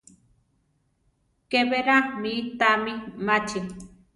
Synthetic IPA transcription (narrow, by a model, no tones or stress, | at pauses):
keβeɾamit̪amimat͡ʃe